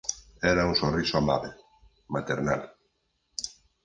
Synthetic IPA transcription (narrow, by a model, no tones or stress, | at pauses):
ɛɾaũŋsonrisʊamaβe | mat̪eɾna̰l